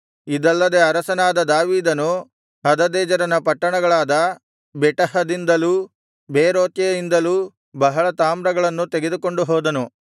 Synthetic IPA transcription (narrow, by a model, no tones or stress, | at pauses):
id̪ɐlːɐd̪e̞ɐɾɐsɐnaːd̪ɐd̪aːʋiːd̪ɐnu | ɦɐd̪ɐd̪ɛːd͡ʒɐɾɐnɐpɐʈːɐɳɐɡɐɭaːd̪ɐ | bɛʈɐɦɐd̪ind̪ɐluː | beːɾoːt̪jɐjind̪ɐluː | bɐɦɐɭɐt̪aːmɾɐɡɐɭɐnːut̪eɡed̪uko̞ɳɖuɦɔːd̪ɐnu